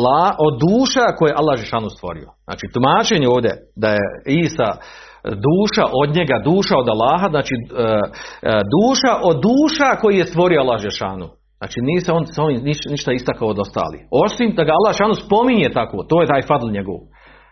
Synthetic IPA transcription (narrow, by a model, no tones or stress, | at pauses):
laːhʔod̪ːuːʃakojeʔalːahd͡ʒeʃaːnust̪ʋo̰ɾḭo̰z̥na̰ːt͡ʃiːt̪umaːt͡ʃeːɲeoːʋd̪ḛd̪ajeiːsa̰ | d̪uːʃaʔo̞d̪ɲeɡad̪uːʃao̞d̪alˠːaːɦaznaːt͡ʃi | d̪uːʃaʔo̞d̪ːuːʃako̞jijest̪ʋo̞ɾioalːahd͡ʒeɾʃaːnu | zna̰ːt͡ʃiniːseonso̞ʋiːmniʃniʃt̪aist̪akaood̪o̞st̪a̰ːlḭːo̞simd̪aɡaalːaːhʒʃaːnuspo̞miɲet̪akoːt̪oːjet̪aːjfad̪lˠɲeɡo̰ʋ